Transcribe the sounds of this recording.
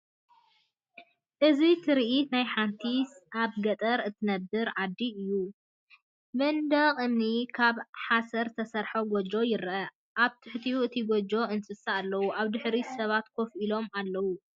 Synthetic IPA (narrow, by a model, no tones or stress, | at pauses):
ʔɨzit̪ʰɨɾiʔit̪najħant̪ʰisʔaβɡɐt̪ʼɐɾɨt̪ʰɨnɐbːɨɾʕad̪ːiɨjːu | bɐnd̪ɐqʼɨnːikʰaβħasɐɾt̪ʰɐsɐɾħoɡod͡ʒo̞jɪɾʔɐ | ʔaβt̪ʰɨħt̪ʰijuɨt̪ʰiɡod͡ʒo̞ʔɨnsʼɨsaːlːɐwuʔaβd̪ɨħɾisɐβat̪kʰo̞fʔilo̞malːɐwu